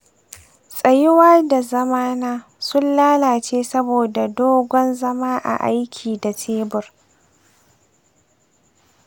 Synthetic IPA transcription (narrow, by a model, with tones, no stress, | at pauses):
sʼɐ˨jɪ˦waː˦da˨zɐ˦maː˦naː˦ | sʊ˦nlaː˦laː˨t͡ʃeː˦sɐ˦boː˨da˨doː˦ɡʷɔ˦nzɐ˦maː˦ʔa̰˨ʔa̰˦jkʲʰiː˨da˨tʰeː˦bʊ˨r